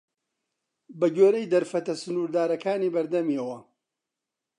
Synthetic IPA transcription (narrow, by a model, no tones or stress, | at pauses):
bɐɡoːɾejd̪ɐɾfɐt̪ɐsʊnuːɾd̪aːɾɐkʰaːniːbɐɾd̪ɐmiɐwɐ